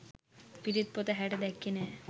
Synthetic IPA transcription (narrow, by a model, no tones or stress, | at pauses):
piʈit̪̚pot̪eɦɛʈed̪ɛkːinɛ